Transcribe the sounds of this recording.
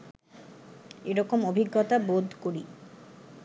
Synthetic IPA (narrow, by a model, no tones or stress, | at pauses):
eɾɔkomobʱiɡːɔt̪abod̪ʱkoɾi